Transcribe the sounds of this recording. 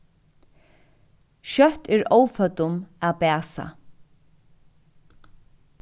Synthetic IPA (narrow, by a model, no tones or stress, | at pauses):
ʃœht̪ɛɹoːwfœt̪ʊmæpæːsa̰